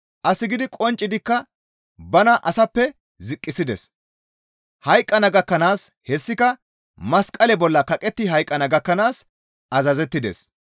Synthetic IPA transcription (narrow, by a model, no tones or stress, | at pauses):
ʔɐsɪɡɪd̪ɪkʼɔnt͡ʃʼːɪd̪ɪkːɐ | bɐnɐʔɐsɐpːɛ | zɪkʼːɪsɪd̪ɛ̰s | hɐjkʼːɐnɐɡɐkːɐnaːshɛsːɪkɐ | mɐskʼɐlɛbɔlːɐkɐkʼɛt̪ːɪɦɐjkʼːɐnɐɡɐkːɐnaːs | ɐzɐzɛt̪ːɪd̪ɛ̰s